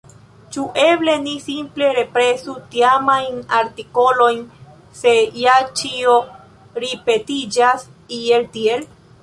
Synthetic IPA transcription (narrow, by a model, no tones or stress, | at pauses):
t͡ʃuʔe̞ble̞nisimple̞ɾe̞pɾe̞sut̪iamajnaɾtiko̞lo̞jn | se̞jat͡ʃio | ɾipe̞tid͡ʒasieltiel